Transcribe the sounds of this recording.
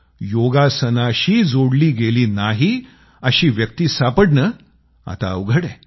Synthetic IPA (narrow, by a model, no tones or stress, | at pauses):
joɡasənaɕiːd͡zoɽliːɡeliːnaɦi | əɕiːʋjək̚t̪iːsapəɽnə | a̰t̪a̰wɡʱəɽẽ